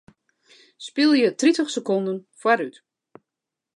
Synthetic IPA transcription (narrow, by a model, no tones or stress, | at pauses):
spilˠjətritəχsəkɔndənfwaɾyt